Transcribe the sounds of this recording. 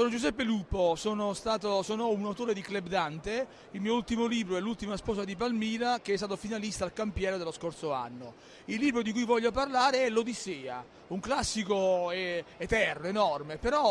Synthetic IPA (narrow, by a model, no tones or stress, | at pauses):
sonod͡ʒuz̬ɛpːeluːposoːnost̪aːt̪osoːnounawt̪oːɾed̪iklebd̪ant̪e | ilmiːoult̪imoliːbɾoɛlːult̪imaspɔːsad̪ipalmiːlak̟eɛst̪aːt̪̬ofinalist̪alkampjɛːɾod̪elːoskort̪soa̰nːo | ilːiːbɾod̪ikujvɔʎːoparlaːɾeɛlːod̪isɛːa̰ | uŋklasːikoɛet̪ɛrnoenɔrmepeɾɔ